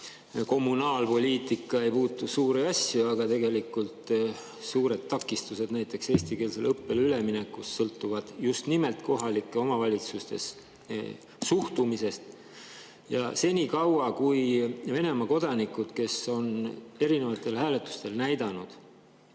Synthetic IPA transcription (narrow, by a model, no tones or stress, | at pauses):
ko̞mːunɑːlpo̞lʲiːt̪ˑikːˑɑe̞jpuːt̪ːˑusuːɾeɑsjuɑɡ̥ɑt̪e̞ɡe̞likult̪ | suːɾe̞d̪̚t̪ːɑkːˑist̪use̞d̪næjt̪ːˑe̞kse̞ːst̪ike̞ːlselɤpːe̞lyle̞minekːusːɤlt̪ːˑuvɑd̪̥just̪nime̞lt̪ko̞ɦɑlikˑːe̞o̞mɑvɑlʲit̪sust̪e̞̰s | suht̪umise̞st̪ | jɑ̰se̞niːkɑwɑkujve̞ne̞mɑko̞d̪̥ɑnikud̪̥ke̞so̞ne̞ɾine̞vɑt̪ːˑe̞lhæːle̞t̪ːˑu̥st̪e̞lnæjd̪̥ɑnud̪̥